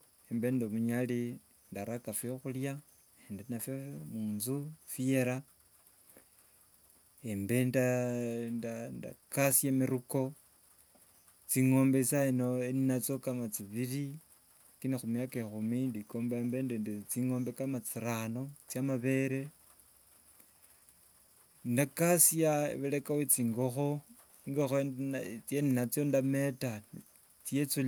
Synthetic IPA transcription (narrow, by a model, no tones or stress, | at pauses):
embe̞ndomuɲali | ndaɾakafoxulja | endenafjomuːnzufije̞ɾa | embe̞ndandanda̰kasjemiɾuko̞ | t͡siŋo̞ːmbesainoeninat͡sokamat͡siβiɾi | kinexumijakaexumindikoːmbambendendet͡siŋo̞ːmbekamat͡siɾano̞t͡sjamaβe̞ɾe̞ | ndakasiaḛβelekawet͡siːŋɡo̞xo̞ | iŋɡoxont͡seninat͡sjondame̞ta | t͡siet͡su